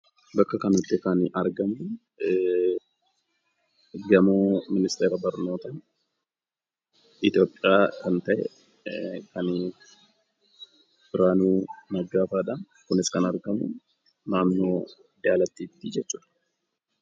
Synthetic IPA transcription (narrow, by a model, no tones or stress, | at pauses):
bɐkːɐkɐnʊt̪ːɪkɐnɐɾɡɐmʊ | ɡɐmoːmɪnɪst̪eːɾɐbɐɾno̞ːt̪ɐ | ɪt̪jo̞ːpʼːɪjaːkɐnt̪ɐʔɛ̰ | kɐniːf | bɪɾaːnuːnɐɡːaːfaːᶑɐn | kʊnɪskɐnɐɾɡɐmʊ̰ | naːmːoː | d̪aːlɐt̪ːiːt̪ːid͡ʒɛt͡ʃːuːᶑɐ̥